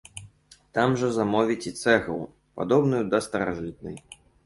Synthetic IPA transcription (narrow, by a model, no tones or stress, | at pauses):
t̪amʐɐzamɔvʲit͡sʲit̪sɛɣɐw | pad̪ɔbnujud̪ɐst̪ɐɾa̰ʐɨt̪̚nɨ̰j